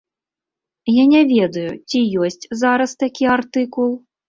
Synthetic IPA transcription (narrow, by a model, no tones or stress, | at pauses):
janʲɛvʲɛd̪ɐjut͡sʲijɔsʲt͡sʲzaɾɐst̪akʲiart̪ɨkulˠ